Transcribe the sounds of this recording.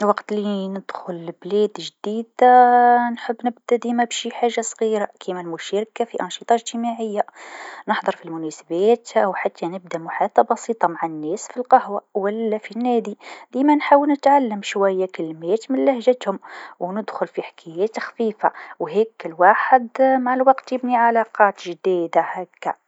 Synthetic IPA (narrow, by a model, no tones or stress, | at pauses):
wɑqt̪linəd̪̥xʊlblɛːd̪ʒd̪iːd̪anħəbːnɪb̚d̪æd̪imæbʃiħaːʒːasˤɣiːɾakʰimælmʊʃæɾkafiʔɑnʃət̪ˤɑʒt̪imaʕəjːanəħd̪ˤəɾˤfilmʊnæsabæːt̪awħat̪ːanəb̚d̪amʊħat̪ˤːɑbɑsiːt̪ˤɑmaʕanːɛːsfilqɑhwawælːæfinːæːd̪id̪iːmænħaːwəlnət̪ʕalːəmʃwæjːakɪlmeːt̪mɪnlahʒæt̪hʊmwnəd̪xʊlfiħḁkʰæjæːt̪xfiːfa̰wɦɛkːlwaːħəd̪maʕalwɑqt̪jɪbniʕalɑqɑːt̪ʒd̪iːd̪ahækːa̰